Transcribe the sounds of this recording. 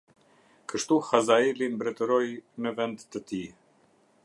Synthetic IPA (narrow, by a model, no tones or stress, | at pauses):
kəʃt̪uxazaɛlimbɾɛt̪əɾɔjnəvɛnd̪ːət̪i